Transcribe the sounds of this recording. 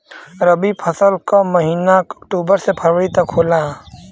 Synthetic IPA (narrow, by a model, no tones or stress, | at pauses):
ɾəbipʰəsəlkaməɦiːnakɔkʈuːbəɾsepʰəɾʋəɽit̪ɐkʰoːla